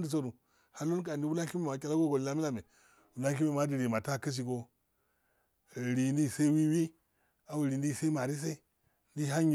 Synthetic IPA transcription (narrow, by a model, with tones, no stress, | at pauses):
ndi˨s̬o˦du˨ | ha˦lo˦n˦k̬a˨di˦wu˦la˦ki˦me˦˨ma˨kʲa˦la˦ɡo˦ɡo˨lla˦mi˦la˨me˨ | wu˨la˦ŋk̬i˦me˦˨ma˦di˨ɾi˨ma˨ta˦kə˦s̬i˨ɡo˦˨ | ɾi˨ndi˦˨sa˦wi˦wi˦ | a˨wu˨ɾi˨ndi˦˨sa˦i˦ma˨ɾi˦s̬a˦i˦ | ndi˦ɦa˦ɲi˨